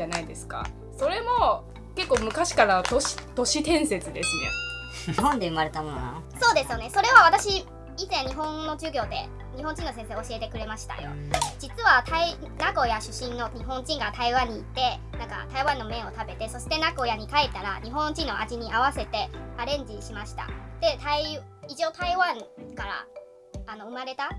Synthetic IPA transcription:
anaid̪e̞sɨ̥ka̰ | so̞ɾe̞mo̞ | ke̞kːoːmɯ̟kaɕi̥kaɾat̪oɕi̥t̪o̞ɕit̪ẽ̞ɰ̃se̞t͡sɨd̪e̞sɨnḛ | hõnd̪eɯ̟maɾe̞t̪amo̰no̰so̞ːd̪e̞sɨjo̞ne̞so̞ɾe̞βaβat̪aɕi | izẽɲ̟iɦõ̞nno̞d͡ʑɨːɡʲo̞ːd̪e̞̰ | ɲ̟ihõɲ̟d͡ʑĩnːo̞s̬ẽ̞s̬e̞ːo̞ɕie̞t̪e̞kɯ̟ɾe̞maɕi̥t̪a̰jo̞̰d͡ʑit͡sɨβat̪ʰai | nako̞jaɕɨɕĩnːo̞ɲ̟iɦõ̞ɲ̟d͡ʑĩŋɡat̪aiβãɲ̟ːiːt̪ːe̞ | nãŋka̰t̪aiβãnːo̞mẽ̞o̞t̪abe̞t̪e̞so̞ɕi̥t̪e̞nako̞jaɲ̟ikaet̪ːaɾa̰ɲ̟iɦõnd͡ʑĩnːo̞ʔaʑiɲ̟iaβ̞ase̞t̪e̞aɾẽ̞ɲ̟d͡ʑiɕimaɕi̥t̪a̰d̪̥e̞t̪ai | it͡ɕo̞ːt̪aiβãŋkaɾa̰ | ano̞ɯ̟maɾe̞t̪a

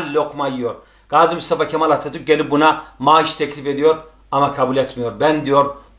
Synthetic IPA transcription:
lːʲokʰmajijoɾ | ɡ̥aːzimyst̪afakʰʲɛmalat̪ʰːat̪ʰuk̚ɟelʲip̚bunamaːʃt̪ʰeclʲifed̪ijoɾ | amakʰabulʲɛt̪ʰmijoɾbɛnd̪ijoɾ

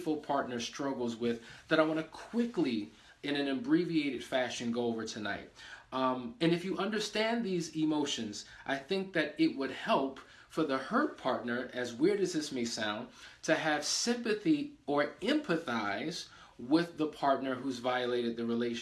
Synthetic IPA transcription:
fl̩ˠpʰɑɹtⁿnə˞stɹ̥ʌɡl̩ˠzwɪððəɾaɪwɑ̃nɨkʰw̥ɪkli | ɨ̃nɨ̃nɨ̃mbɹivieɪɾɨd̥fæʃɨ̃nɡoʊoʊvə˞tʰɨna̰ɪt̚ | ɨ̃nɨfjɨʔʌ̃ndə˞stæ̃nðizɪmoʊʃɨ̃nzʔaɪθɪ̃ŋk̚ðɨɾɪt̚wəd̚hɛlˠp | fə˞ðəhɜ˞t̚pʰɑɹtⁿnə˞ʔɨzwɪɹɾɨzðɪsmeɪsãʊ̃ntʰɨɨv̥sɪ̃mpɨθiə˞ɛ̃mpʰɨθaɪz̥ | wɪðəpʰɑɹtⁿnə˞ɦuzvaɪɨleɪɾɨd̪̚ðɨɹileɪʃ

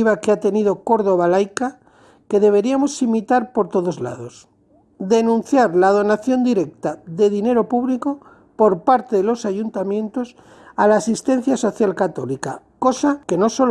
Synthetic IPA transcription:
iβakeat̪e̞niðo̞ko̞ɾðo̞β̞alajka | ke̞ðe̞βe̞ɾiamo̞simit̪aɾpo̞ɾt̪o̞ðo̞zla̰ðo̞s | d̪e̞nũn̟θjaɾlað̞o̞naθjo̞nd̪iɾe̞k̚t̪aðe̞ðine̞ɾo̞puβliko̞ | po̞ɾpaɾt̪eðelosaʝunt̪amjẽ̞nt̪o̞s | alaːsist̪e̞n̟θjaso̞θjalkat̪o̞lika | ko̞sake̞no̞so

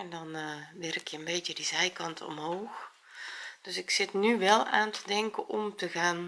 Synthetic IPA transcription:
ɛndɔnʋɪrɪkʰəənbeːtjədizɛjkɑntʰɔ̰mɦoːx | d̥øsɪksɪtnyʋɛlˠaːntʰədɛŋkəʔɔmtəɣaːn

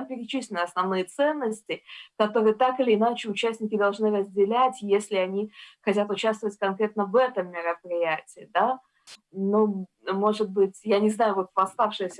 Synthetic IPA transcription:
mpʲɪɾʲɪt͡ɕisʲlʲɪnɨɐsnɐvnɨjət̪sɛnːəsʲtʲɪkɐt̪o̞ɾɨjət̪akɨlʲɪːnat͡ɕɪʊt͡ɕæsʲtʲnʲɪkʲɪd̪ɐlˠʐnɨɾəzʲdʲɪlʲætʲjesʲlʲɪɐnʲixɐtʲat̪ʊt͡ɕast̪vəvətʲkɐnkɾʲe̞t̪̚nəvɛt̪əmːʲɪɾəpɾʲɪjætʲɪːd̪a | no | mo̞ʐɨd̪̚bɨtʲjanʲɪznajʊvo̞t̪vɐst̪afʂɨjɪsʲə

